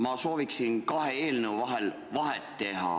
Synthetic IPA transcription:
mɑso̞ːviksinkɑheeːlneuvɑɦel | vɑɦet̪ːe̞ɦɑ̰

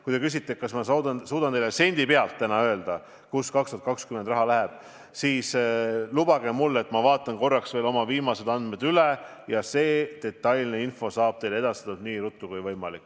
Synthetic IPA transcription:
kujt̪e̞kys̬ʲit̪ːˑekɑsmɑsɑd̪ɑsuːd̪ɑnt̪ejlese̞nʲd̪̥ipe̞ɑlt̪ːænɑø̞ːld̪̥ɑ | kuskɑkst̪uɑt̪̚kɑkskymend̪rɑɦɑlæɦeb̥ | siːslubɑɡ̥e̞mulːet̪ːˑmɑvɑːt̪ˑːɑnko̞rːɑksve̞ːlo̞mɑviːmɑse̞d̪ɑnd̪me̞d̪yle | jɑse̞ːd̪̥e̞t̪ːˑɑjlneinfo̞sɑːb̥t̪e̞jlee̞d̪̥ɑst̪e̥ɑt̪ːud̪̚niːɾut̪ːˑukujvɤjmɑlikːˑ

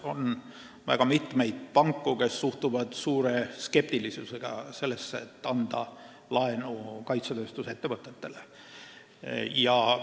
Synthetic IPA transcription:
o̞n | væ̰ɡ̥ɑmit̪me̞jd̪̥̚pɑŋkːˑuke̞sːuht̪uvɑd̪̥suːɾe̞ske̞p̚t̪ilisuseɡ̥ɑ̰se̞lːesːet̪ːˑɑnd̪̥ɑ | lɑe̞nukɑjt̪sɑt̪øːst̪uset̪ːevɤt̪ˑːet̪ːe̞le | jɑ

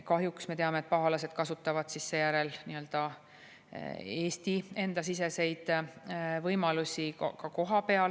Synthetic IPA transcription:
kɑɦjuksme̞t̪e̞ɑme̞t̪̚pɑɦɑlɑse̞d̪̥kɑsut̪ːˑɑvɑd̪̥sisːe̞jæɾe̞lniø̞ld̪̥ɑ | e̞ːst̪ie̞nd̪̥ɑs̬is̬e̞se̞jd̪̥ | vɤjmɑlusʲikkɑko̞ɦɑpe̞ɑl

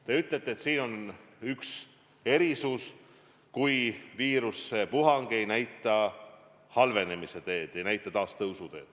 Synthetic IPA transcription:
t̪e̞yt̪ˑle̞t̪ˑːeːt̪siːno̞nyks | e̞ɾisus | kujviːɾuse̞puɦɑŋɡ̥e̞jnæjt̪ːˑɑ | hɑlve̞ne̞mise̞t̪e̞ːd̪̥e̞jnæjt̪ːˑɑt̪ɑːst̪ɤwsud̪e̞̰ːd̪̥

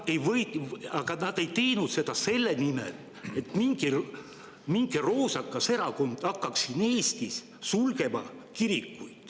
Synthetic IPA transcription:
ejvɤjt̪ɑɡ̥ɑnɑd̪̥e̞jt̪e̞jnut̪se̞d̪̥ɑse̞lːe̞nimḛl | e̞t̪miŋɡ̥i | miŋɡ̥ero̞ːsɑkːˑɑse̞ɾɑko̞nd̪̥ɑkːˑɑksine̞ːst̪is | sulɡe̞mɑ̰kiɾikːujd̪̥

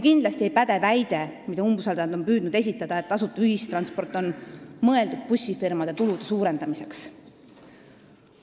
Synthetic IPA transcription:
kind̪lɑst̪iejpæd̪̥e̞væjd̪̥e̞mid̪ɑumbusɑld̪ɑnd̪o̞npyːd̪̥nud̪̥e̞s̬ʲit̪ːˑɑd̪̥ɑe̞t̪ːɑsut̪ːˑuyɦist̪rɑnspo̞rt̪ːˑo̞nmɤe̞ld̪ud̪̥̚pusʲːifirmɑd̪̥e̞t̪ulud̪̥esuːɾe̞nd̪ɑmise̞ks

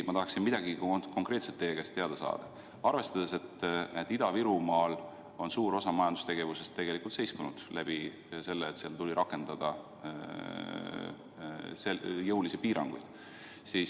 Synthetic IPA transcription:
mɑt̪ɑɦɑksinmid̪̥ɑɡikoko̞ŋkɾet̪set̪ːeːkest̪e̞ɑd̪̥ɑsɑ̰ːd̪̥ɑ̰ | ɑrve̞st̪ɑd̪̥e̞se̞t̪ːet̪ːid̪ɑviɾumɑːl | o̞nsuːɾo̞sɑmɑjɑnd̪u̥st̪e̞ɡe̞vuse̞st̪ːe̞ɡ̥e̞likːˑult̪se̞jskunud̪̥læb̥i | se̞lːeːt̪seɑlt̪ulʲiɾʔɑkːˑe̞nd̪̥ɑd̪̥ɑ | sejɤwlisepiːɾɑ̰ŋɡ̥ṵjd̪̥ | siːs

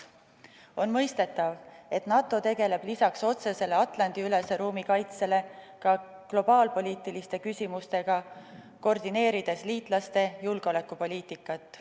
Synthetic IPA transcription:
o̞nmɤ̞jst̪e̞t̪ːˑɑve̞t̪nɑt̪ːˑo̞t̪e̞ɡe̞le̞b̥lisɑkso̞t̪se̞se̞le̞ɑt̪ˑlɑnd̪̥iyle̞se̞ɾuːmikɑjt̪se̞le̞ | kɑ | klo̞b̥ɑːlpo̞lʲiːt̪ːˑilist̪e̞kysʲimust̪e̞ɡ̥ɑ | ko̞rd̪ine̞ːɾid̪̥e̞sliːt̪ˑlɑst̪e̞julɡ̥eo̞le̞kˑːupo̞lʲiːt̪ikːˑɑt̪ːˑ

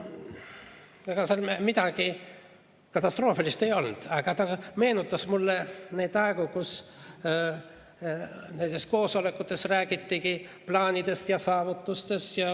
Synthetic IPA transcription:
ɑɡ̥ɑseɑlmmit̪ɑɡ̥i | kɑt̪ːˑɑst̪ro̞ːfilist̪e̞jo̞lnd̪̥ɑɡ̥ɑt̪ɑme̞ːnut̪ːˑɑsmulːene̞ːd̪ɑekukus | ne̞nt̪e̞sko̞ːso̞lekːˑut̪ːˑe̞sræːɡ̥it̪ːikiplɑːnʲid̪e̞st̪jɑsɑːvut̪ˑːust̪e̞st̪jɑ

